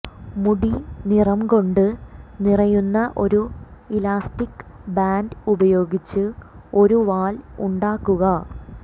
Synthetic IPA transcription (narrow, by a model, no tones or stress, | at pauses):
muɽinirɐmko̞ɳɖɨnirɐjunːɐʔo̞ɾuilaːstikːbaːndubɐjo̞ːɡit͡ɕːɨo̞ɾuʋaːlṵɳɖaːkːuɣɐ